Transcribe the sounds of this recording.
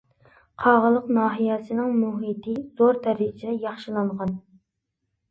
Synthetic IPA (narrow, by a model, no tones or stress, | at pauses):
qʰɑʁəlˠəqnɑːɦijɛsɪnɪŋmuɦit̪ʰɪz̥oɾt̪ʰæɾɪt͡ʃʰid̪ɛjɑχʃilˠɑɴʁɑn